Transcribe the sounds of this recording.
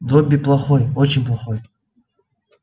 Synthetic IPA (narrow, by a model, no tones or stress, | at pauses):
d̪obʲːiplˠɐχojot͡ɕɪnʲplˠɐχoj